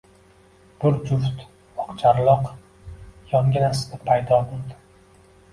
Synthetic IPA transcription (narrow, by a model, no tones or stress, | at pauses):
b̥ʊɾd͡ʒʊft̪ | ɒqt͡ʃʰaɾlˠɒq | jɒŋɡʲɪnasɪ̥d̪ɪpʰːajd̪ɒbolˠd̪ɪ